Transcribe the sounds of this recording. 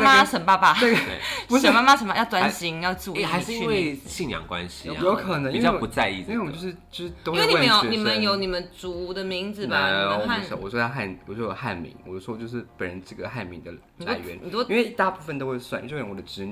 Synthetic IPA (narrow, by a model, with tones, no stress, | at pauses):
maʂə˧˥ŋpa˥˧˩pa˩t̪e˥˩e˩u˧˥ʂə˨˥˧ma˥ma˥ʂə˨˩ma˧˩jɑ˥˩ʊt̪wa˧nɕi˧˥ŋjɑ˥˧ʊt͡su˥˧i˥˩xa˧˦ɻ̩˥˧i˥nwe˥˧ɪɕi˥˩ŋjɑ̰˨˩ŋkwa̰˦nɕi˨˧jo˧˥ʊkʰɤ˨˩nə˧˦ʔi˥wpu˨˧t͡sa˥˧ɪi˥˧˥e˥˩wt͡ɕjʂ̩˥˧˩t͡ɕo˥˧˥ʂ̩˥˩io˥we˥˨i˥˧˨ni˨˩mə˦njo˨˧˥ʊni˨˩mə˦nt͡su˨˩d̪ə˨mi˧˥ŋd͡zɹ̩˨ba˨˩˥wɔ˨˩ʂwɔ˥ta˥xa˥˩nwswɔ˥˩o˨˧˩xa˥˩nmḭ˧˥ŋwɔ˨˩o˥˩wɔ˥t͡ɕjo˥˧ʊʂ̬ɻ̩˥˩pə˨˩nɻə˧˦nʈ͡ʂɤ˥˩ɡə˩xa˥˩ɪmḭ˧˥ŋd̪ə̰˨ | la˧˩ɪɥɛ̰˧˦n˨˥˧nwe˥˧ɪi˥˧t̪a˥˧pu˥˩fə˨nt̪o˥ʊxwe˥˧ɪswa̰˥˩n̰˥˧˥wd̪ə˩ʈ͡ʂɻ̩˧˥